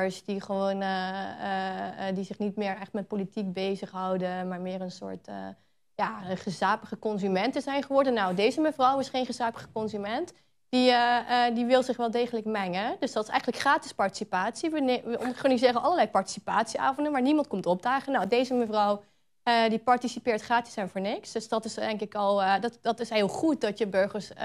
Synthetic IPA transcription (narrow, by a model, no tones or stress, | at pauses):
əɹsdiχəʋown | dizɪχnitmɪːɹɛχtmɛt̚politik̚bejzəχɦʌwdəmaːɹmɪːrənsʊ̰ːɹtə̰ | jaːχəzaːpəχəkɔnzymɛntəzɛjnχəʋɔɹdənːawdejzəməvrɔwɪsχejnχəzaːpəχəkɔnzymɛnt | d̥iədiʋɪlˠzɪχʋɛːlˠdejχələkmɛŋədøsdɑtɪ̥sɛ̰jxənələkχraːtɪspɑɹti̥sipaːtsiʋəʋəɔ̰nχanizɪːɾənɑləlɛjpɑɹti̥sipaːtsia̰ːvɔndənmaːɹnimɑnt̚kɔmtɔp̚daːχənːowdejzəməvrɔw | dipɑɹtisipɪːɹtχraːtɪ̥sɛnvʊːɹnɪksd̥øsdɑtɪsdɛŋkɪkɑlˠdtdɑtɪsɦɪːlˠχut̚dɑtjəbøɹχəɹs